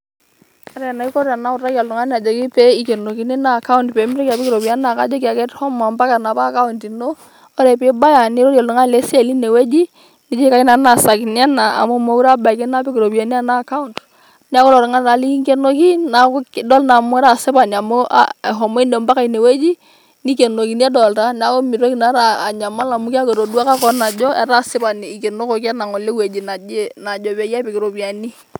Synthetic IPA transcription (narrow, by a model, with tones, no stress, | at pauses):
a˨˦ɾɛ˨na˨i˦ko˦ɾa˨na˨˦ʊ˨ta˦ki˦a˨lu˨ŋa˦n˦a˨d͡ʒa˨ki˦pe˦i˨˦ke˨no˨ki˨˦ni˦na˦˨ka˦u˦ndpe˨˦m˦ɾɛ˦ka˨pi˦ki˦ɾo˨pi˨a˦na˨ka̰˦d͡ʒo˦ka˨kɛ˦thɔ˦ma˨mba˦ka˨na˨pa˦˨ka˦u˨nti˨noː˦ | ɾɛ˨pɪ˦ba˦ja˨ni˦ɾo˦ɾja˨lu˨ŋa˦˨le˦sa˨li˦ne˨we˦d͡ʒi˦ | ni˦d͡ʒi˦ka˦i˦na˨na˨sa˨kn˦a˦na˨a̰˨mo˦mo˨˦u˦ɾa˦ba˨ki˦na˦pi˦kɾo˨pi˨a˨n˦a˦na˦˨ka˦u˦nd | ni˦a˦ko˦ɾɔ˨ɾŋa˦na˨li˦ŋke˦no˦k̬i˦na˨kkdɔ˦lna˨mʊ˦ɛ˦ɾa˨sɪ˦ba˨n˨a˨mo˦a̰˨ɦɔ˨mo˦i˦no˨mba˦ka˨i˨ne˨we˦d͡ʒi˦ | ni˦ke˨no˨ki˨ni˦a˦dɔ˨lta˦n˦a˨˦ko˦mi˨ɾo˦ki˨na˦ɾaː˨ɲa˨ma˦la˨mʊ˦ka˦ke˨ɾo˨du˦a˦ka˦kɔ˦na˨d͡ʒɔ˦ɛ˦ɾa˦˨sɪ˦pa˨ni˨i˨ke˨no˦ko˨ka˦na˨ŋo˨le˦we˨d͡ʒi˨na˨˦na˨d͡ʒɔ˨ba˨˦ja˦pe˨kɪ˨ɾo˨pi˨a˨ni˦